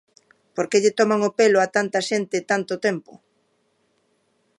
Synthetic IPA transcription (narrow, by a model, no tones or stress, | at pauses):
poɾkeʎet̪ɔmaŋopeloat̪ant̪ɐʃent̪et̪ant̪ot̪empʊ̰